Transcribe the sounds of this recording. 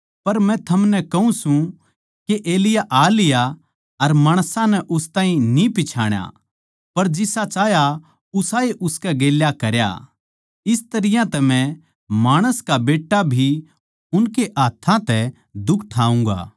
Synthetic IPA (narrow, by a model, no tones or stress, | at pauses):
pɐɾmɛ̃t̪ʰɐmnɛkɐũsũ | keʔeːlɪjaʔaːlɪja | ɐɾmaːɽ̃sãnɛʔʊst̪ãːĩnipɪt͡ʃʰaːɽ̃ja̰ | pɐɾd͡ʒɪsat͡ʃaːja | ʊsaːeʔʊskɛɡeːljakɐɾja̰ | ɪst̪ɐɾɪjãt̪ɛmɛ̃ | maːɽ̃əskabeːʈːabʱi | ʊnkeʔaːt̪ʰːãt̪ɛ | d̪ʊkʰʈʰaːũŋɡa̰ː